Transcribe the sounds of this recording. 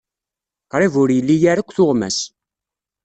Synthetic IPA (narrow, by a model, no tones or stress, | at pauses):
qɾˤivʊɾjəlːijaɾakʷːθʊʁmæ̰s